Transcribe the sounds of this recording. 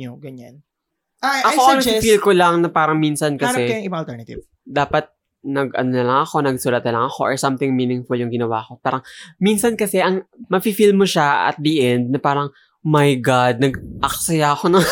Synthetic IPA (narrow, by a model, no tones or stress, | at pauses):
ɡɐɲan | ʔaʔɐkoɐŋmɐifilkolɐŋnɐpaːɾɐŋminsɐnkɐsɛŋɪbaŋɐlt̪ɛnɐt̪ɪ̰v | d̪aːpɐt̪̚ | nɐɡʔɐ̰nonɐlɐŋɐxo̞nɐɡ̚sʊlɐt̪nɐlɐŋɐxo̞ʔɔɹsɐmt̪ɪŋmiːnɪŋfʊljʊŋɡɪnɐwa̰ko̞paːɾɐŋminsɐnkɐsɛʔɐŋmɐfiːfilmoʃaɐ̰t̪̚d̪iʔɛnd̪̚nɐpaːɾɐŋ | mɐjɡad̪̚nɐɡʔɐk̚sɐjaʔɐko̞nɐŋ